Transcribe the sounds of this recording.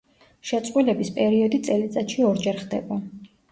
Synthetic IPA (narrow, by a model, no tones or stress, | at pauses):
ʃɛt̪sʼqʼwilɛbispʼɛɾiɔd̪it̪sʼɛlit̪sʼat̪ʃiɔɾd͡ʒɛɾχd̪ɛba